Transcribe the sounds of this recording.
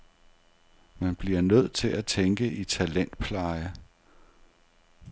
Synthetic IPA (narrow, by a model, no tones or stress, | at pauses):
mænb̥liɐnøð̞̰ˠt͡sʰe̝læt͡sʰeŋɡ̥əʔit͡sʰælen̰d̥̚pʰlɑ̈ɪə